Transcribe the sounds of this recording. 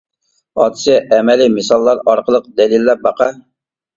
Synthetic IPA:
ɑt̪ʰɨ̥sɪʔɛmɛlimɨsɑlˠːɑɾɑɾqəlˠəq̚d̪ɛlilːɛɾ̚bɑqɑ

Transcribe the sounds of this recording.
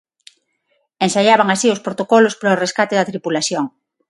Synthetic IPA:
ensaʎaβ̞aŋasiʊspɾot̪okolʊspɾaoreskat̪eðɐt̪ɾipulaθjoŋ

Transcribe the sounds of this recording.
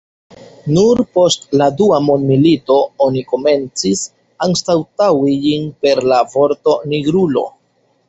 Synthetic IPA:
nuɾpo̞stladuamonmilito̞oniko̞me̞nt͡sis | aŋstawtawid͡ʒinpe̞ɾlavo̞ɾto̞niɡɾulo̞̰

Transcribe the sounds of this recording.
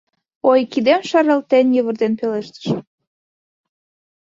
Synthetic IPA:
ojkid̪emʃɑɾəlt̪enjəβərd̪enpeleʃt̪ə̥ʃ

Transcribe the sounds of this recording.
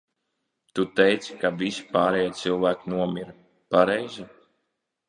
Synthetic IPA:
t̪ut̪ɛjt̪si̥kavisi̥paːɾɛjat̪silˠvæːkinuɔmʲiɾ | paɾɛjzi

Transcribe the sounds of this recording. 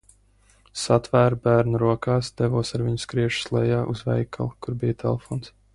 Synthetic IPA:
sat̪væːɾbæːɾnuɾuɔkaːsd̪̥ɛvuɔsaɾvʲiɲʊskɾiɛʃu̥slˠɛjaːʔuzvɛ̰jkʰa̰lˠkuɾbijət̪ʰɛlˠefɔːns

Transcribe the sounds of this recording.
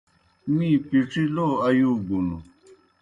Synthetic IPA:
mĩːpiʈ͡ʂʰiloːɐjuːɡunu

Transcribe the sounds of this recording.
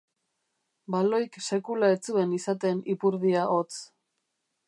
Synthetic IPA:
balo̞jkse̞kulaet͡sue̞nisat̪e̞nipuɾðiaʔo̞t͡s

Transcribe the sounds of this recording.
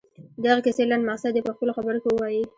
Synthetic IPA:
d̪aɣakɪselanmaqsad̪jepəxpəloxabəɾokewəwɑji

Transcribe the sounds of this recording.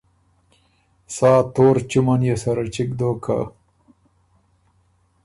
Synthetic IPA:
saːt̪oːɾt͡ʃumanjesɐɾat͡ʃikd̪okʰa̰

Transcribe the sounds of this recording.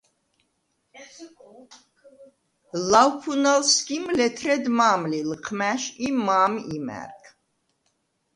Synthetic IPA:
lawpʰunalskimlɛt̪ʰɾɛd̪maːmlilqʰmæʃimaːmimæ̰ɾkʰ

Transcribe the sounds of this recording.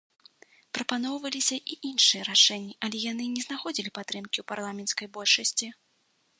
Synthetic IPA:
pɾɐpanɔwvɐlʲisʲɐʔiʔinʂɨjɛɾaʂɛnʲːiʔɐlʲɛjan̪ɨnʲɛznaxɔd͡zʲilʲipat̪ːɾɨmkʲiwparlˠamʲɛnt̪skɐjbɔlʲʂɐsʲt͡sʲi

